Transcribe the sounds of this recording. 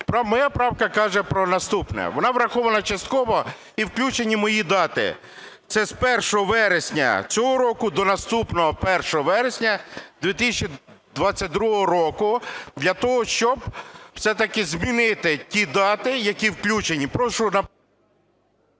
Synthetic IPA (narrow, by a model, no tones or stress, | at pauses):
pɾɐmɔjapɾɑwkɐkɑʒɛpɾɔnɐst̪upnɛ̰ʋɔnɑʋɾɐxɔʋɐnɐt͡ʃɐst̪̚kɔʋɔ | iwklʲut͡ʃenʲːimɔjid̪ɑt̪ɪ̰ | t̪sɛspɛrʃɔɦɔʋɛɾesʲnʲɐ̰t͡sʲɔɦɔɾɔkʊd̪ɔnɐst̪upnɔɦɔpɛrʃɔɦɔʋɛɾesʲnʲɐd̪ʋʲit̪ɪsʲɐt͡ʃid̪ʋɑt͡sʲːɐt̚ʲd̪ɾuɦɔɦɔɾɔkʊd̪lʲɐt̪ɔɦɔʃt͡ʃɔbw̥sɛt̪ɐkɪzmʲinɪt̪ɪtʲid̪ɑt̪ɪjɐkʲiwklʲut͡ʃenʲːipɾɔʃʊnɐ